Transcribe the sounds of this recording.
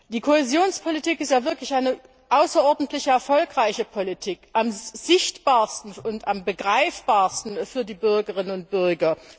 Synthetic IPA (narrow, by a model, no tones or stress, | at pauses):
d̥iːkʰohezjoːnspʰolitʰiːkɪstjaːvɪɐklɪçʔaɪnə | ʔaʊsɐʔɔɐdn̩tlɪçəɛɐfɔlkʁaɪçəpʰolitʰiːkʔamz̥ɪçtb̥aːɐstn̩ʊntambəɡʁaɪfb̥aːɐstn̩fyːɐdiːbʏɐɡəʁɪnənʊnt̚b̥ʏɐɡɐ